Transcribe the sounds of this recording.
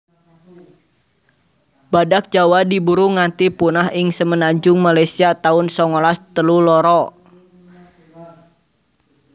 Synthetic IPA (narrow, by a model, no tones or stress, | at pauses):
badak̚d͡ʒawadibuɾuŋant̪ipunaɦɪŋsəmənaɲd͡ʒʊŋmalajsiat̪aʊnsɔŋɔlast̪əlulɔɾɔ